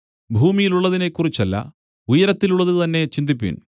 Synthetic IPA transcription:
bʱuːmijiluɭːɐðine̞kːurit͡ɕːɐlːɐ̰ | ujɐɾɐt̪ːiluɭːɐðɨt̪ɐnːe̞t͡ɕind̪ipːḭn

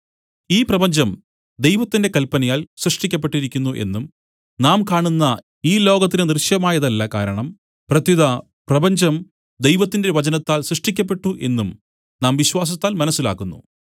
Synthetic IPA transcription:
iːprɐbɐɲd͡ʑɐm | d̪e̞jʋɐt̪ːinde̞kɐlpːɐnɐjaːlsrɨʂʈikʲːɐp̬ːe̞ʈːiɾikʲːunːuʔe̞̰nːum | naːmkaːɳunːɐ | iːlo̞ːɡɐt̪̬ːinɨnirɕjɐmaːjɐðɐlːɐkaːɾɐɳɐm | prɐt̪ːiðɐ | prɐbɐɲd͡ʑɐm | d̪e̞jʋɐt̪ːinde̞ʋɐt͡ɕɐnɐt̪ːaːlsrɨʂʈikʲːɐp̬ːe̞ʈːuʔe̞nːum | naːmʋiɕʋaːs̬ɐt̪ːaːlmɐnɐsːila̰ːkːunːṵ

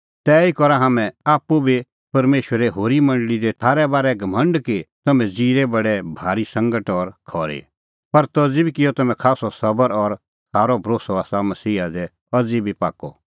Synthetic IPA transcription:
t̪ɛːikɔɾaɦamɛ̃aːpːubʱi | pɐɾmeːʃwəɾɛɦoːɾimɐ̃ɳɖəɭid̪ɛt̪ʰaːɾɛbaːɾɛɡʱɐmə̃ɳɖkit̪ɐmɛ̃d͡ziːɾɛbɐɽɛbʱaːɾisɐ̃ŋɡəʈɔɾkʰɔːɾḛ | pɐɾt̪ɐd͡zibʱikɪjɔt̪ɐmɛ̃kʰaːsɔsɐbəɾɔɾ | sʰaːɾɔbʱɐɾoːsɔaːsamɐsiːɦad̪ɛ | ɐd͡zibʱipaːkɔ̰

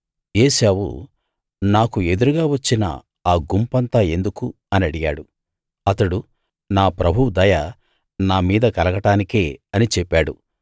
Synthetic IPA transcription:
eːsaːwṵ | naːkue̞d̪uɾuɡaːʋɐt͡ʃːinɐ̰ | aːɡumpɐnt̪aːe̞nd̪uku | ɐniɐɽija̰ːɽu | ɐt̪ɐɽu | naːpɾɐbʱud̪ɐjɐ | naːmiːd̪ɐkɐlɐkɐʈaːnike̞ːɐnit͡ʃɛpːaːɽṵ

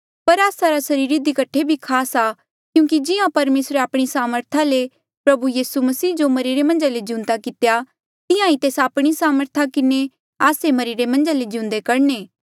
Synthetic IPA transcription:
pɐɾaːsaɾasɐɾiːɾid̪ikɐʈʰːebʱikʰaːsaː | kjũːkid͡ʒɪjãpɐɾmeːsɾeaːpɽ̃isaːməɾt̪ʰale | pɾɐbujiːsumɐsiːd͡ʒomɐɾiɾemɐ̃nd͡ʒaled͡ʒɪ̃ʊ̃nt̪akɪt̪eja | t̪ɪjãit̪eːsaːpɽ̃isaːməɾt̪ʰakɪne | aːsemɐɾiɾemɐ̃nd͡ʒaled͡ʒɪũnd̪ekɐɾneː

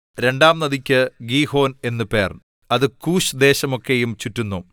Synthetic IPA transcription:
ɾe̞ɳɖaːmnɐðikʲːɨɡiːho̞ːne̞nːɨpe̞ːr | ɐðɨkuːɕd̪e̞ːɕɐmo̞kːejumt͡ɕutːunːu

